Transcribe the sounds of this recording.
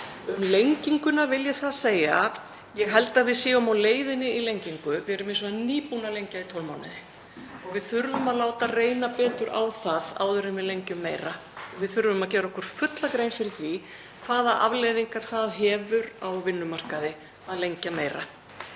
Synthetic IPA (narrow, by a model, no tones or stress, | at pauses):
ʏmlejɲciŋkʏnavɪljɛθaðseːja | jɛɣɦɛlt̪aðvɪðsjɛːɣʏmawleːjðɪnɪilejɲciŋkʏvɪɛɾʏmɪnsɔaniːpunalejɲcait̪ʰɔlmawnɪ̰ðɪ | ɔɣvɪðθʏɾvʏmaðlaːwt̪areːjnapɛːt̪ʏɾʔa̰ːwθaða̰ːwðʏɾɪnvɪðlejɲcʏmːeːjɾaɔɣvɪðθʏɾvʏmaðcɛːɾaɔhkʏɾ̥fʏt̪lakɾeːjnfɪɾɪ̥θvi | kʰvaːðaʔa̰vlejðiŋkaɾ̥θaðɦɛːvʏɾawvɪnːʏmar̥kaðɪ | aðlejɲcameːjɾa